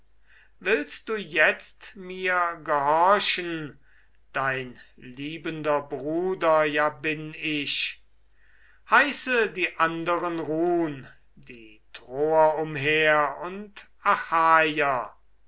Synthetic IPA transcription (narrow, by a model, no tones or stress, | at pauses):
vɪlst̪̚d̥uːjɛt͡stmiːɐɡəhɔɐʃən | d̥aɪnliːbəndɐbʁuːdɐjaːbɪnɪʃ | haɪsədiːʔandəʁənʁuːn | diːtʁoːɐʊmɦeːɐʊnt | ʔaxaːja